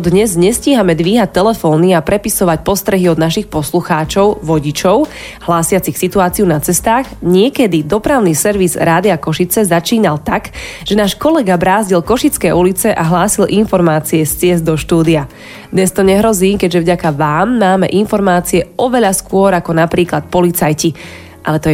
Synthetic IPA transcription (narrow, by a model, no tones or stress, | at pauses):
d̪ɲɛzɲɛsciɦamɛd̪ʋiːɦac̚t̪ɛlɛfɔːniapɾɛpisɔʋac̚pɔst̪ɾɛɦiɔd̪naʃixpɔsluxaːt͡ʃɔʊʋɔɟit͡ʃɔʊ | ɦlaːsɪat͡sixsit̪uaːt͡siunat͡sɛst̪aːɣɲɪɛkɛd̪id̪ɔpɾaʊnisɛɾʋizɾaːd̪iakɔʃit͡sɛzat͡ʃiːnalt̪aɡ | ʒ̥ɛnaːʃkɔlɛɡabɾaːzɟilkɔʃit͡skɛulit͡sɛʔaɦlaːsilʔinfɔɾmaːt͡siɛst͡sɪɛzd̪ɔʃt̪uːd̪ia | d̪ɲɛst̪ɔɲɛɦɾɔziːkɛɟʒɛvɟakaʋaːmːaːmɛ̰ʔinfɔɾmaːt͡siɛɔʋɛʎaskʊɔɾakɔnapɾiːklat̪̚pɔlit͡sajci | ʔa̰lɛt̪ɔɛ